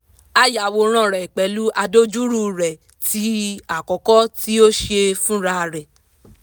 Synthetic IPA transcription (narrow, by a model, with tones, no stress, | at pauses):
a˦˨ja˨wo˧ɾ̃ã˦˨ɾɛ˨k͡pɛ˨˦lu˦ʔa˧do˦d͡ʒu˦ɾu˧ɾɛ˨ | ti˨˦a˨kɔ˨kɔ˦ti˦o˦ʃe˧fũ˦ɾa˧ɾɛ˨